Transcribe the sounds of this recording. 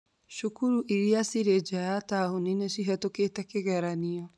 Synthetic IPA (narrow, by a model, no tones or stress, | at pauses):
ʃukuɾuʔiɾiasiɾed͡ʒajataːhoninesiɦɛtokeːtɛkeɣɛɾaniɔ